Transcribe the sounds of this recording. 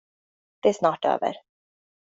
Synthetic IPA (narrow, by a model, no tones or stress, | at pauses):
d̪̥ɛæsnɑːʈø̰ːvə̰ɾ